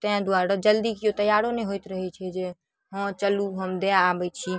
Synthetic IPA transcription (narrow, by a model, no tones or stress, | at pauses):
t̪əãd̪uaɾəd͡ʒəld̪ikjot̪əjaɾoneɦojt̪ɾəɦɛt͡ʃʰɛd͡ʒe | ɦə̃t͡ʃəluɦəmd̪eaːbɛjt͡ʃʰi